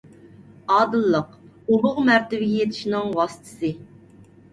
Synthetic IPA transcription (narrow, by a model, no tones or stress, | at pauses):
ɑːd̪ɨlˠːəq | ubʊʁmæɾt̪ɪvɪɡʲɛjɛt̪ʰɪ̥ʃinɨŋwɑsɨ̥t̪ʰɨ̥sɨ